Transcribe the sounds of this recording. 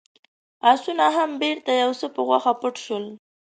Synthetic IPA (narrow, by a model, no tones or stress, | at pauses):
asunaɦambeɾt̪ajawsəpəɣwaxapəʈʃwəl